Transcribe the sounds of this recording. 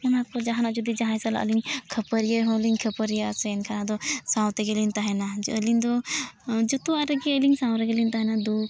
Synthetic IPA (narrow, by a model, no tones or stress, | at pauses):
kʰanakɔd͡ʒaɦanad͡ʒɔd̪id͡ʒaɦãjsala̰ʔə̰liŋkʰəpəɾijeɦɔ̃liŋkʰəpəɾijasɛnkʰanad̪ɔsãwt̪ɛɡelint̪aɦɛnaəlind̪ɔ | d͡ʒɔt̪uaɾɛɡɛəliŋsãwɾɛɡelint̪aɦɛnad̪u